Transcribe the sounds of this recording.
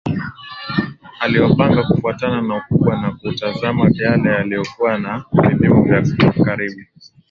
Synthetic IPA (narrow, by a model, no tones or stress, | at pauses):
aliwapaŋɡakufuatananaukuɓwanakutazamavalajalijɔkuwanavivimuvjakaɾiɓu